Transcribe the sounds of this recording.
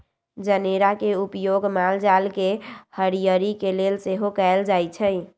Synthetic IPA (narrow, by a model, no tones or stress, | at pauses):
d͡ʒəneɾakeupjoɡmald͡ʒalkehəɾijəɾikelelseɦokaɪld͡ʒajt͡ʃʰəɪ